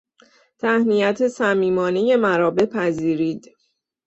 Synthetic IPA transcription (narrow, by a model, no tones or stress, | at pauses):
t̪ʰæhnijæt̪ʰe̞sæmiːmɒːne̞je̞mæɾɒːbe̞pʰæziːɾiːd̪̥